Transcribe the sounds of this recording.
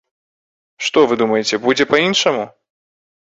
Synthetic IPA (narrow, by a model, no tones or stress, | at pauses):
ʂt̪ɔvɨd̪umɐjet͡sʲɛbud͡zʲɛpɐinʂɐmu